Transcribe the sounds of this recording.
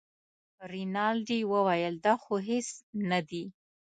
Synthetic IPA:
ɾɪnɑlɖiwəwajəld̪ɑxoɦesnad̪i

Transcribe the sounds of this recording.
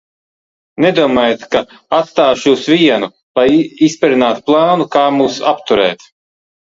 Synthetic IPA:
ned̪uɔmaːjat̪ka | at̪st̪aːʃjuːsvʲiɛnu | lˠajispʲɛɾinaːt̪plˠɑːnukaːmuːsapt̪uɾɛ̰ːt̪

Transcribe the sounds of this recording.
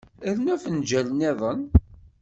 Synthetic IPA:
əɾnæfənd͡ʒælneðˤən

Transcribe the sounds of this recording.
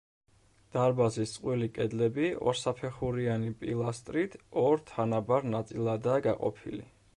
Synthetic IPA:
d̪̥aɾbazist̪sʼqʼwilikʼɛd̪lɛbiɔ̰ɾsapʰɛχuɾianipʼilˠast̪ʼɾit̪ʰɔɾt̪ʰanabaɾnat̪sʼilˠad̪aːɡaqʼɔ̰pʰḭlḭ

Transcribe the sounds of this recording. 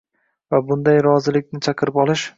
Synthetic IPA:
vabʊnd̪ajɾɒzɪlɪkʲnɪt͡ʃʰaqʰɨɾɪpɒlˠɪʃ

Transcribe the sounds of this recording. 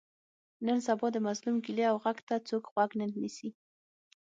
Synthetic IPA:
nəns̬abɑd̪əmazlumɡileawɣaɡt̪at͡sokɣwaɡnənnisi

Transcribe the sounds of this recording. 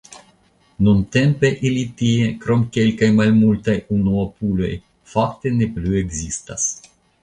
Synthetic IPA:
nunt̪empeʔilit̪iekɾomkelkajmalmult̪ajunoopulo̞̰j | fakt̪eneplueɡzist̪a̰s

